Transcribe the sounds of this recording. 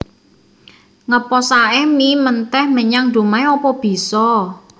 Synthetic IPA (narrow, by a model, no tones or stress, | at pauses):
ŋəpɔsaɛmimənt̪ɛhməɲaŋɖ̥o̤maeɔpɔb̥i̤sɔ